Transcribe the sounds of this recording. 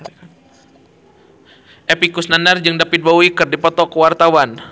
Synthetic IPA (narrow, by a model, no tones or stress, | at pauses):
ʔepikusnanard͡ʒɨŋdapit̪̚bawikɨrdipɔt̪ɔkəwart̪awan